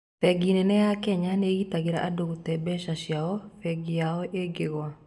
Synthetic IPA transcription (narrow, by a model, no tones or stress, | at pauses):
fɛɡinɛnɛjakɛɲaneɣitaɡeɾa̰ʔadoɣot̪ɛbɛʃaʃjaɔfɛɡijaɔʔeɡeɣwa